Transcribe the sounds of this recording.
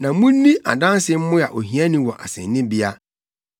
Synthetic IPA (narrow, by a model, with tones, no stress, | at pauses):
nã˨˦mʊ̃˦n̩ː˦ĩ˦ʔa̰˨dã˦n˦sɪ˦m̩˦mʊ̃˦a˨ʔo˨ɦĩ˨ã˦nĩ˦wɔ˨ʔa̰˨sɛ̰̃˨nːɪ̃˦bi˦a˦